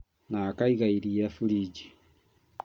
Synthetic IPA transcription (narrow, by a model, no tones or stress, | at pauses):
naːkaiɣaiɾiafuliɟi